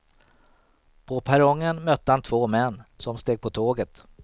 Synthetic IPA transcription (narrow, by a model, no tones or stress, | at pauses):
pʰɔpʰæɾɔŋːənmœt̪ːəhant̪ʰvoːmɛnːsɔmst̪eːɡ̚pʰɔt̪ʰoːɡət̪